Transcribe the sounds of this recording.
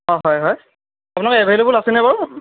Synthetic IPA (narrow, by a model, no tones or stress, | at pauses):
ɔɦɔjɦɔj | apunakɛɛbʱajlebulasɛnɛbaɹ